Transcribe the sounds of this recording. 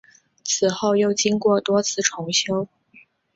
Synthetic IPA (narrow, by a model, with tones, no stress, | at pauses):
t͡sʰɹ̩˨˩xo˥˧ʊjo˥˩ʊt͡ɕi˥ŋkwɔ˥˩t̪wɔ˥t͡sʰɹ̩˥˩ʈ͡ʂʰʊ˧˥ŋɕjo˥ʊ